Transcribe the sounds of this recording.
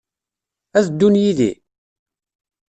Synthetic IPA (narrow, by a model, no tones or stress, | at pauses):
æθd̪ːunjiðḭ